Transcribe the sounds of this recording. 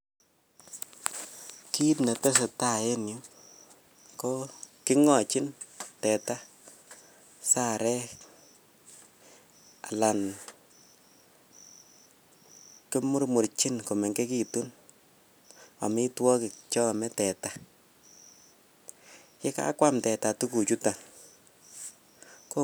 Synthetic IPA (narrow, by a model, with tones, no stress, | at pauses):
ki˦tna˨tɛ˦s̬ɛ˨ta˦˨e˦njʊ˦ | ko˦kɪ˦ŋɔ˨t͡ʃi˦ntɛ˨ta˦ | sa˦˨ɾɛ˦ | a̰˨la˨n | kɪ˦mʊ˦ɾmu˨ɾt͡ʃi˦nko˨mɛ˨ŋke˦ki˦tu˦n | a̰˨mɪ˦twɔ˦kɪ˨kt͡ʃɔ˦˨mɛ˦tɛ˨ta˨˦ | kɪ˦ka̰˦kwa˦mtɛ˨ta˨tu˦ku˨t͡ʃu˦ta˨ | ko˦